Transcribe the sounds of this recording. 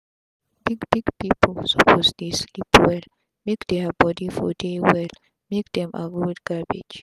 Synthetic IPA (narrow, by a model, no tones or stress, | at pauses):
b̥iɡbiɡpipʰlsəpʰosdeslipwɛl | mekd̪ɛbɔdifɔ̰dewɛl | mekd̪ɛ̃mʔa̰ɡɹudɡ̥abid͡ʒ